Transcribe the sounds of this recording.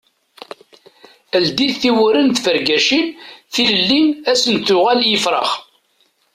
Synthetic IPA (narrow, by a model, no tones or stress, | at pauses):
əld̪iθθiwʊɾənt̪fəɾɡæʃinθiləlːinæsənt̪ʊʁæljəfɾˤə̰χ